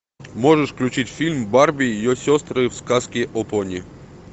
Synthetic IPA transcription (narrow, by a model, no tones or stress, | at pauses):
moʐəʂfklʲʉt͡ɕitʲfʲilʲmbarbʲɪɪjosʲost̪ɾɨfskaskʲɪʔoponʲɪ